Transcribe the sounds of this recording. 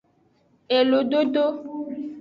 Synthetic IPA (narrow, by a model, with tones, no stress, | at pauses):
e˨lo˨ɖo˦ɖo˦